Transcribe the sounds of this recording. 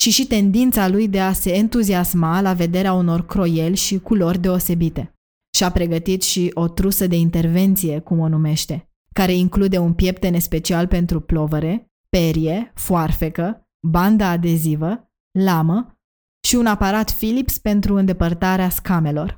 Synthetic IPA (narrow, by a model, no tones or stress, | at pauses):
ʃiʃit̪e̞nd̪int̪salujd̪e̞ase̞ːnt̪uziasmalave̞d̪e̞ɾeauno̞rkɾo̞je̞lʲʃikulo̞rʲd̪e̞o̞se̞bit̪e̞ | ʃiapɾe̞ɡət̪it̪ʃiʔo̞t̪ɾusəd̪e̞int̪e̞rve̞nt̪sije̞kumo̞nume̞ʃt̪e̞ | kaɾe̞iŋklud̪e̞unpje̞pt̪e̞nespe̞t͡ʃialpe̞nt̪ɾuplo̞vəɾe̞ | pe̞ɾije̞foarfe̞kə | band̪aːd̪e̞zivə | lamə | ʃiunapaɾat̪filipspe̞nt̪ɾuɨnd̪e̞pərt̪aɾeaskame̞lo̞r